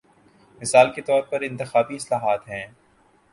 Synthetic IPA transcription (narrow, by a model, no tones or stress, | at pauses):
mɪsaːlket̪ɔːɾpɐɾɪ̃nt̪ɪxaːbiɪslaːɦaːt̪ɦɛ̃ː